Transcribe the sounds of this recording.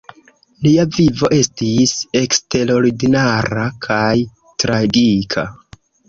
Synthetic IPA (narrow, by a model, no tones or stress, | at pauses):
liavivo̞ʔe̞stise̞kste̞ɾo̞ɾiɡinaɾakʰaj | tɾaɡikʰa̰